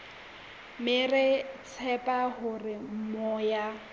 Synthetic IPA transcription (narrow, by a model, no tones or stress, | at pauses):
mɪrɪt͡sʰɛpʼaɦʊrɪm̩mɔːja